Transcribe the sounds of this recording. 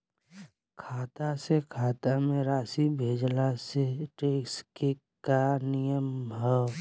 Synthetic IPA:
kʰaːt̪asekʰaːt̪amẽɾaːsibʱeːd͡ʒlaseʈeːkske | kanijəmɦɛ

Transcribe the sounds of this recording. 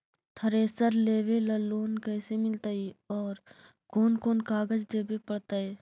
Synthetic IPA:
t̪ʰəɾeːsəɾleːʋeləlːoːnkɛːsemɪlt̪aiɔːɾ | koːnkoːnkaːɡəd͡ʒd̪eːbepəɽt̪aɛː

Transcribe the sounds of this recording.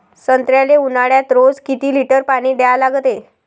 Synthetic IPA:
sənt̪ɾjaleunaɽjat̪ɾod͡zkit̪iːliʈəɾpaɽ̃iːɖealaɡt̪e

